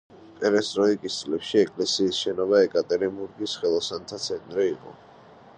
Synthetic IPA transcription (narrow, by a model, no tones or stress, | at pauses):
pʼɛɾɛst̪ʼɾɔikʼist̪sʼlɛpʃiɛkʼlɛsiːsʃɛnɔβaɛkʼat̪ʼɛɾimbuɾɡisχɛlˠɔsant̪ʰat̪sʰɛnt̪ʼɾiːqʼɔ̰